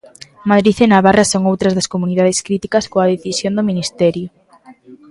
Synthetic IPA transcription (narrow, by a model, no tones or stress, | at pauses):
maðɾiθɪnaβarɐsoŋowt̪ɾɐzðɐskomuniðað̞ɪskɾit̪ikɐskoɐðeθisjond̪ominist̪ɛɾjʊ